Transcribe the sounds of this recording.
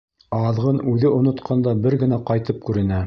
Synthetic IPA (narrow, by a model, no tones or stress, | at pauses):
ɑðʁɤnʉðɘŏnŏt̪qʰɑnd̪ɑbɘɾɡɘ̆næqɑjt̪ɤp̚kʉɾɘ̆næ